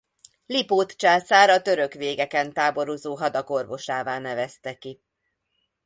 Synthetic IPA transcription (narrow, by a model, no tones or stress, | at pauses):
lipoːt̪t͡ʃaːsaːɾɒt̪ø̞ɾø̞kʋeːɡɛkɛnt̪aːbo̞ɾozoːɦɒd̪ɒko̞rvo̞ʃaːvaːnɛvɛst̪ɛki